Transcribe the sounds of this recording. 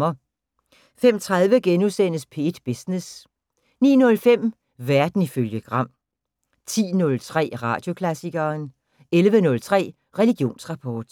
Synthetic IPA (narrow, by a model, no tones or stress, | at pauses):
ɐ | fem̰t͡sʰʁaðˠʋəɡ̥enusen̰əspʰe̝ːd̥b̥isnes | nḭːnɔ̽lfem̰ | ʋæɐd̥n̩iføljəɡ̥ʁɑ̈m̰ | t͡sʰḭːnɔ̽lt͡sʰʁɛ̰ːʁɑ̰̈ːd̥jo̝kʰlæsiɡ̥ɐːn | elʋənɔ̽lt͡sʰʁɛ̰ː | ʁɛliɡ̥jo̝̰ːnsʁɑ̈pʰɒːd̥